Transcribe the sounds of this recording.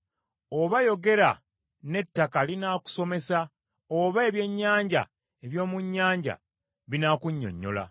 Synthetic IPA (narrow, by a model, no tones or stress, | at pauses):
oβajo̞ɡe̞ɾa | ne̞tːakalinaːku̥so̞me̞sa | oβae̞βje̞ɲːaːɲɟa̰ | eβjo̞ːmuɲːaːɲɟa̰ | βinakuɲːo̞̰ɲːo̞̰la̰